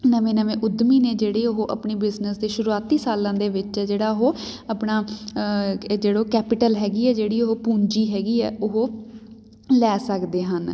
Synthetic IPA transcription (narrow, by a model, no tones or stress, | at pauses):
nəʋẽːnəʋẽːʔʊd̪miːnẽːd͡ʒeːɽeːʊɦoːʔə̰pɳeːbɪznəsd̪eːʃʊɾuaːt̪iːsaːlãːd̪eːʋɪt͡ʃɛːd͡ʒeːɽaːʊɦoːapnaː | d͡ʒeːɽoːkɛːpɪʈəlɦɛːɡiːɛːd͡ʒeːɽiːoɦoːpũːɲd͡ʒiːɦɛːɡiːɛ̰ːʔʊɦoː | lɛːsəkd̪eːɦən